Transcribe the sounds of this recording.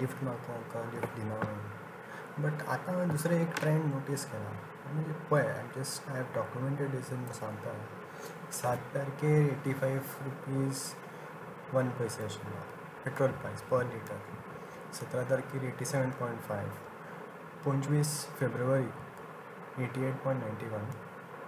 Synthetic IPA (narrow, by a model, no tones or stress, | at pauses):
lifʈmat̪õkəlifʈd̪inaã | bəʈa̰t̪ãd̪usɾẽekʈɾẽjnnoʈiskɛla̰ | amilepoja̰jd͡ʒəsʈaɦɛʋɖɔkjumẽɳʈeɖesemũsãŋɡt̪a | sat̪̚paɾkeɾeʈifajʋɾupiːz | ʋənpəjsasla̰ | peʈɾəlɾupajspəɾliʈəɾki | sət̪ɾat̪̬əɾkiɾeʈiseʋə̃npɔ̃jĩɳʈfajʋ | pɔ̃ɲt͡ʃʋiːsfebɾuəɾi | eʈieʈ̚pɔ̃j̃ɳʈnãɪɳʈiʋən